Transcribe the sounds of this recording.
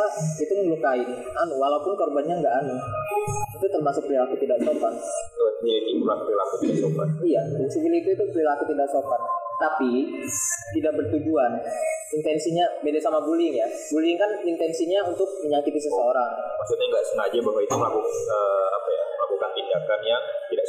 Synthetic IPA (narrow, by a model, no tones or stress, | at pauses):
lait̪uməŋlukaɪ | anuwalaupʊnkorbanɲaŋɡaʔanu | it̪ut̪ərmasʊk̚plilakut̪idaʔsopat̪̚ | milikit̪ulakuɾilakut̪idaʔksopa̰t̪ijadaŋsibilit̪uit̪uplilakut̪idaʔksopat̪t̪api | t̪idaʔ̚bərt̪ud͡ʒuanint̪ɛnsiɲabedasamabulɪŋja | bulɪŋkanint̪ɛnsiɲaunt̪ʊk̚məɲakit̪isəsəoɾaŋmaksut̪̚ɲaŋɡaʔsənad͡ʒabaɦwait̪ulakukəːapajamlakukant̪indakanjaŋt̪idaʔ